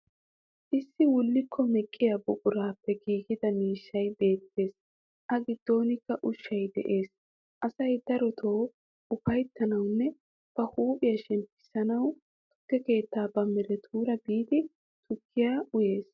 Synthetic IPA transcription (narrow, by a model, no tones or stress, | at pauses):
ʔɪsːɪwʊlːɪkʰːɔmɛkʼːɪjabʊkʼʊɾaːpːɛɡiːɡɪd̪ɐmiːʃːɐjbe̞ːt̪ːe̞ːs | ʔɐɡɪd̪̥ːo̞ːnɪkːɐʔʊʃːɐjd̪ɛ̰ʔe̞ːs | ʔɐsɐjd̪ɐɾɔt̪ʰo̞ː | ʊfɐjt̪ːɐnɐwnːɛ | b̥ɐhuːpʼɪjɐʃɛmpɪ̥sɐnɐw | t̪ʊ̥t̪ːɛke̞ːt̪ːaːbɐmɛɾɛt̪ʰuːɾɐbiːd̪ɪ | t̪ʊkʰːɪjaːʊje̞ːs